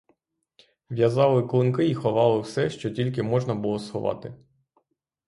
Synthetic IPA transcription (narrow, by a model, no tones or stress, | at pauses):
ʋʲjɐzɑlˠɪklˠʊnkɪixɔʋɑlˠɪwsɛʃt͡ʃɔtʲilʲk̬ɪmɔʒnɐbʊlˠɔsxɔʋɑ̰t̪ɪ